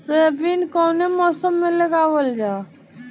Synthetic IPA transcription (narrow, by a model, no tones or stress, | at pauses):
seːbinkoːnemɔːsəmːẽləɡaːʋəld͡ʒaː